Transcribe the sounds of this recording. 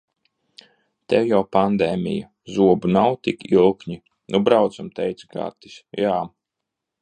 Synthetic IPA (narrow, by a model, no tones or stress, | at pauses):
t̪ɛwjawpand̪ɛːmʲḭja̰ | zuɔbunawt̪ikilˠkɲi | nʔubɾawt̪samt̪ɛjt̪sɡa̰ɾt̪i̥sjaː